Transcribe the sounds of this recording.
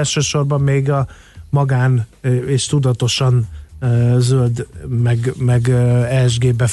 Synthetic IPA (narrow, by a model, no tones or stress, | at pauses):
lʃøːʃo̞rbɒmːeːɡɒ | mɒɡaːneːʃt̪ud̪ɒt̪o̞ʃɒn | zøld̪mɛɡmɛɡɛlʒɡeːbɛ